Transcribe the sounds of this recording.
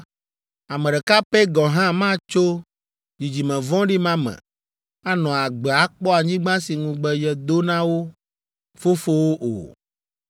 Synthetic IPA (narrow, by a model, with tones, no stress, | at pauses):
a˨mɛ̃˨ɖɛ˨ka˦pɛ˦ɡɔ˨ɦã˦mã˦t͡ʃo˦ | d͡ʑi˨d͡ʑi˨mɛ̃˨vɔ̃˦ɖi˦mã˦mɛ̰̃˨ | a˦nɔ̃˨a˨ɡ͡bɛ˨a˨k͡pɔ˦a˨ɲĩ˦ɡ͡bã˦si˨ŋũ˨ɡ͡bɛ˦jɛ˨d̪o˦nã˦wo˦ | fo˦fo˦wo˦ʔo̰˨